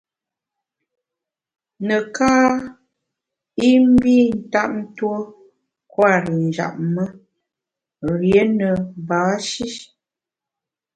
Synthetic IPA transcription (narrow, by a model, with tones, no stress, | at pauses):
nə˨kaː˦ | i˦m̩˦bi˦n̩˨˦ta˦p̚n̩˦two˦ | kwa˦˨ɾə˨n̩˨d͡ʒa̰˨ʔ̚mə˦ | ɣje˨˦nə˨ba˨˦ʃi˦